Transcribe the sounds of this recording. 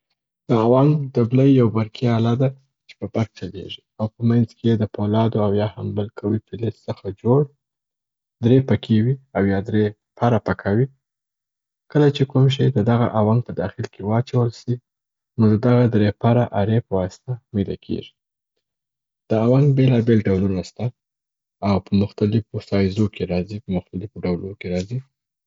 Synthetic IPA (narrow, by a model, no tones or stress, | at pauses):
d̪̥əawɑŋɡd̪əbləjːawbaɾkʰialɑd̪a | t͡ʃe̥pəpak̚t͡ʃalḛʐiawpəmanzkejed̪əpolɑd̪oawjɑhambəlkʰawipɪlɪssəxad͡ʒoɽ | d̪ɾepakʰewiawjɑd̪ɾe | pʰaɾapakʰawi | kəlat͡ʃekumʃ̬əjd̪əd̪aɣa̰ʔawaŋɡ̚pəd̪ɑxɪlkewɑt͡ʃawəlʃi | nod̪əd̪aɣad̪ɾepaɾaʔaɾepəwɑst̪amela̰kʰḛʒi | d̪̥əawaŋɡbelɑbelɖawlunast̪a | awpəmʊxt̪alɪfosɑjzokeɾɑzipəmʊxt̪alɪfoɖawlokeɾɑzi